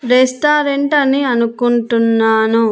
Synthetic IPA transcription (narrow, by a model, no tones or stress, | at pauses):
ɾesʈaːɾeɳʈɐniɐnukuɳʈunːaːnu